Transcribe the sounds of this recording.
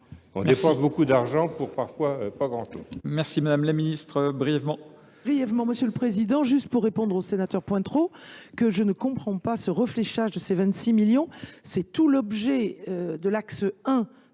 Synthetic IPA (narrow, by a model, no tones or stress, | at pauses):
ɔ̰̃mɛepɑ̃sbokud̪aʁʒɑ̃puʁpaʁfwaøpaɡʁɑ̰̃t̪õ̰mɛʁsimad̪amlaminist̪χəbʁijɛvmɑ̃ | bʁijɛvmɑ̃məsjələpχezid̪ɑ̃ʒyst̪puʁːepɔ̃d̪ʁosenat̪œʁpwɛ̃t̪χokəʒənəkɔ̃pχɑ̃pasəʁəfleʃaʒd̪əsevɛ̃nt̪similjɔ̃sɛt̪ulɔbʒɛød̪əlaksəɛ̃